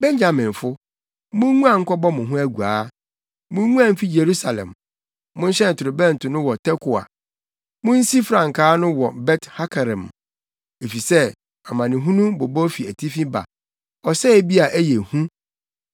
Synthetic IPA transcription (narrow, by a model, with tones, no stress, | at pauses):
bɛ̃˦ɲ˦ɲã˨mɪ̃˨ɱ˨fʊ˦ | mʊ̃˦ŋũ˦ã˨ŋ̩˦kʰɔ˦bɔ˦mʊ̃˨ɦʊ̃˦æ˦ɡu˨aː˨˦ | mʊ̃˦ŋũ˦ã˨m̩˦fi˦je˨ɾu˦sa˨lɛ̰̃˨m | mʊ̃˦n̩˦ɕɛ˦n˨tʰʊ˨ɾʊ˨bɛ̃˦n˨tʊ˨nʊ̃˦wɔ˨tʰɛ˦kʰʊ˨a̰˨ | mʊ̃˦n̩˦si˦fɾã˨ŋ̩˨kʰaː˦nʊ̃˦wɔ˨bɛ˦tha˦kʰa˨ɾɛ̃˨m | e˨fi˨sɛ˦ | a˨mã˨nɪ̃˨ɦũ˦nũ˦bo˨bɔ˦fi˨æ˨tʰi˦fĩ˦ba̰˨ | ɔ˨sɛ˦˨bi˦a˨ʔæ˦jɛ˨hũ˦